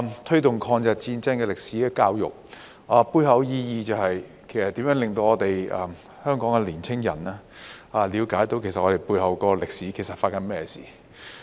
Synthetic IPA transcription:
t̪ʰɵ˥t̪ʊ˨ŋkʰɔː˧ŋt͡sɛ˨t̚t͡siː˧nt͡sɐ˥nkɛː˧lɪ˨k̚si˨˥kɛ˧kaː˧wjʊ̰˨k̚ | aː˨˧puː˧jɦɐ˨˧wjiː˧jiː˧t͡sɐ˨˧whɐ˨j | kʰe˨˩jsɐ˨t̪iː˨˥mjœː˨˥lɪ˨ŋt̪o˧wɔː˧t̪e˨jɐ˨m | hœː˥ŋkɔː˨˥ŋkɛ˧liː˨˩nt͡sʰɪ˥ŋjɐ̰˨˩naː˧aː˨˧liː˨˧wkaː˨˥jt̪o˧˥wkʰe˨˩sɐ˨t̚ʔɔː˨˧e˨jpuː˧jɦɐ˨˧wkɔː˧lɪ˨k̚siː˨˥kʰe˨˩jsɐ˨tfaː˧t̚kɐ˧˥nmɛː˥jɛ˧sḭː˨˩

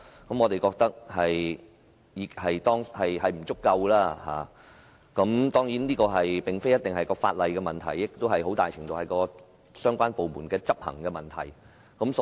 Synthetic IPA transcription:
kɐ˨˥mɔː˨˧t̪e˨jkɔː˧k̚t̪ɐ˥k̚hɐ˨j | jiː˨˧khɐ˨jt̪ɔː˥ŋhɐ˨jɦɐ˨jm̩˨˩t͡sʊ˥kːɐ˧wlaː˥ha̰ː˨ | kɐ˨˥mt̪ɔː˥ŋjiː˨˥nniː˥kɔː˧ɦɐ˨jpɪ˨ŋfe˥jɐ˥t̚t̪ɪ˨ŋhɐ˨jkɔː˧fa̰ː˧t̚lɐ˨jkɛː˧mɐ˨nt̪ʰɐ˨˩jːɪ˨˥k̚t̪o˥wɦɐ˨jɦo˨˥t̪aː˨jt͡ɕʰɪ˨˩ŋt̪o˨whɐ˨˩jkɔː˧ | sœː˥ŋkʷaː˥npo˨wmṵː˨˩nkɛː˧t͡sɐ˥p̚hɐ̰˨˩ŋkɛː˧mɐ˨˩nt̪ʰɐ̰˨˩j | kɐ˨˥ms

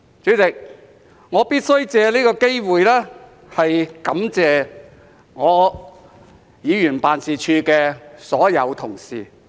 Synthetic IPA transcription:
t͡ʃyː˨˥t͡sɪ˨k̚ | ŋɔː˨˧piː˥t̚sɵ˥ɥt͡sɛː˧liː˥kɔː˧ke˥jwuː˨jlɛː˥ | hɐ˨jkɐ˨˥mt͡sɛː˨ | ŋɔː˨˧ | jiː˨˧jyː˨˩npaː˨nsiː˨t͡ʃʰyː˧kɛː˧sɔː˨˥jɐ˨˧wt̪ʰʊ˨˩ŋsḭː˨˩

